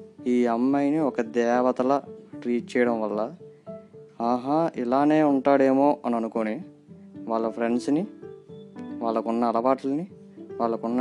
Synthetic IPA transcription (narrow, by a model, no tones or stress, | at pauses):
iːɐmːɐjniɔkɐd̪ɛːʋɐt̪ɐlɐʈɾiːʈ̚t͡ʃɛːjɐɽɐmʋɐlːɐ | aːɦailaːne̞ːuɳʈaːɽe̞ːmoːʔɐnɐnukoːni | ʋaːɭːɐpʰɾe̞ɳɖsni | ʋaːɭːɐkunːɐːlɐbaːʈulɐni | ʋaːɭːɐkunːɐ